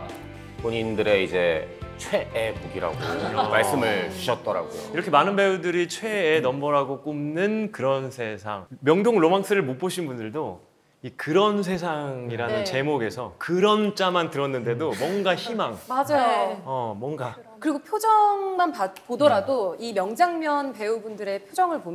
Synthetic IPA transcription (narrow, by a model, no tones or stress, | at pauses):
poɲindɯɾe̞id͡ʑe̞t͡ɕʰweʔːmuɡiɾa̰ɡoʌmaɭs͈ɯmɯɭt͡ɕiɕʰʌt̚t͈ʌɾa̰ɡojo̰iɾʌkʰemanɯnbeudɯɾit͡ɕʰwe̞ːnʌmbʌɾaɡok͈umnɯnkɯɾʌnsʰe̞sʰa̰ŋmjʌŋdoŋɭomaŋs͈ʰɯɾɯɭmop͈oɕʰinbundɯɭdo | ikɯɾʌns̬ʰe̞sʰaŋiɾannɯnt͡ɕe̞moɡe̞sʰʌkɯɾʌnt͡ɕ͈amantɯɾʌnːɯnde̞domwʌŋɡaçimaŋmad͡ʑajoʌmwʌŋɡa | kɯɾiɡopʰjod͡ʑʌŋmanpapodʌɾadoimjʌŋd͡ʑaŋmjʌnpe̞ubundɯɾe̞pʰjod͡ʑʌŋɯɭpom